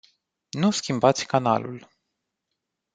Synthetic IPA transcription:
nuskʲimbat̪sʲkana̰lṵl

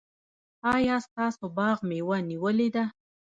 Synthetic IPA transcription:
ɑjɑst̪ɑsobɑɣmewaniwəled̪a

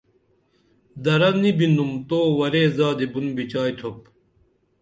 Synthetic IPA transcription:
d̪ɐɾɐnibinumt̪oːwɐɾeːzaːd̪ebunbit͡ɕaːjt̪ʰop̚

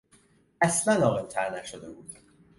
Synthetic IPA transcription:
æslænɒːɣemt̪ʰæɾnæʃod̪ebuːd̪̥

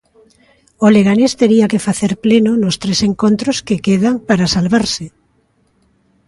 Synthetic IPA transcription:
oleɣanest̪eɾiakefaθeɾplenʊnʊst̪ɾeseŋkont̪ɾʊskekeð̞aŋpaɾasalβaɾsɪ

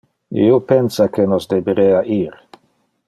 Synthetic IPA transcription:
ḭopensakenosd̪ebeɾeːaʔiːɾ

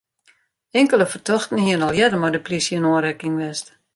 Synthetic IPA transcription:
ɪŋkələfərtʰɔxtən̩hiənɔlˠjɛdəmɔjdəplisiənoːnɾɛkɪŋʋɛst

